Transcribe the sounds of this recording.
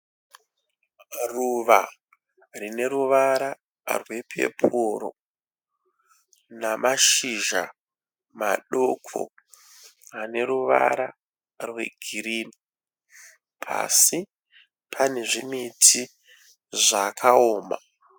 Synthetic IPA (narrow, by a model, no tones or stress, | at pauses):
ruʋa | rine̞ɾuʋaɾa | rwe̞pʰe̞̰pʰuɾo̰ | namaʃiʒa̰ | maɗokʰo̰ | ane̞ɾuʋa̰ɾa | rwe̞ɡʱiɾiːni | pʰa̰si | pʰane̞ʐimitʰi | ʐakʰaoːma